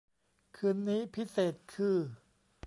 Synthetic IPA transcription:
kʰɯː˧˥nːiː˦˥pʰi˦˥seː˨˩t̪̚kʰɯː˧˩

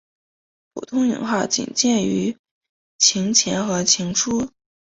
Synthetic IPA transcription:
pʰṵ˨˩t̪ʰʊ˥ŋy̰˨˩˥ŋxɑ˥˩ʊt͡ɕḭ˨˩ŋt͡ɕjɛ˥˩ny˧˥ | t͡ɕʰi˧˥ŋt͡ɕʰjɛ˧˥nxɤ˧˥t͡ɕʰi˧˥ŋʈ͡ʂʰu˥

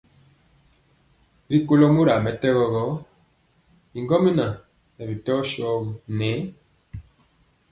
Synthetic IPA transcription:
ɾi˦ko˦lɔ˦mu˦ɾa˨mɛ˨˦tɛ˦ɣɔ˦ɣɔ˦ | i˨ŋɡɔ˦mi˦na˨ | nɛ˨βi˨tɔ˦ʃɔ˦ɣu˨nɛ˨˦

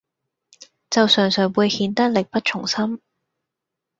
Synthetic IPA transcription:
t͡sɐ˨wsœː˨˩ŋsœː˨˩ŋwuː˧jhiː˧nt̪ɐ˥k̚lɪ˨k̚pɐ˥t̚t͡ʃʰʊ˨˩ŋsɐ˥m

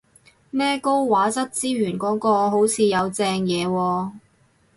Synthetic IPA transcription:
nɛː˥ko˥wwaː˨˥t͡sɐ˥t̚t͡siː˥ɥyː˨˩nkɔː˨˥ŋkɔː˧ɦo˨˥wt͡sʰiː˨˧jɐ˨˧wt͡sɛː˧ŋjɛː˨˧wɔː˧

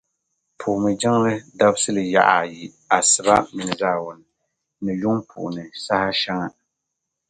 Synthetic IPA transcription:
pʰuː˨mɨ˨d͡ʒɪ˦ŋlɨ˦da˦bsɨ˦lɨ˨ja̰˦˨ʔa˨ji˨ | a˨sɨ˨ba˦mi˨nɨ˨zaː˦˨wʊ˨nɨ˨ | nɨ˨jʊ˦ŋpʰṵ˨ʔʊ˨nɨ˨sa˦ha˦ʃa˦ŋa˦

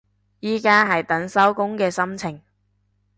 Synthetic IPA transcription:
jiː˥kaː˥ɦɐ˨jt̪ɐ˨˥nsɐ˥wkʊ˥ŋkɛː˧sɐ˥mt͡sʰɪ˨˩ŋ

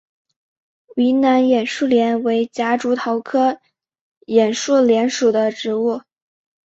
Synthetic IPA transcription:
i˧˥na˧˥njɛ˨˩nʂu˥˩ljɛ˧˥nwe˧˥ɪt͡ɕja˧˥ʈ͡ʂu˧˥t̪ʰɑ˧˥ʊkʰɤ˥ | jɛ˨˩nʂu˥˩ljɛ˧˥nʂu˨˩d̪ə˦ʈ͡ʂɻ̩˧˥u˥˩

